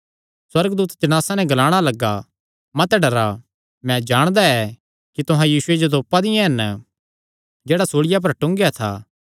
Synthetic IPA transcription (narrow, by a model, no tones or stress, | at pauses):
swɐɾɡd̪uːt̪t̪ɪñaːsanɛɡɐlaːɽ̃alɐɡːa̰ | mɐt̪ɛɖɐɾa | mɛ̃d͡ʒaːɽ̃d̪aɛ | kit̪ʊɦãjiːsʊed͡ʒod̪oːpad̪ɪjãɦɐn | d͡ʒɛːɽasoːɽɪjap̬ɐɾʈʊ̃ŋɡjat̪ʰa̰ː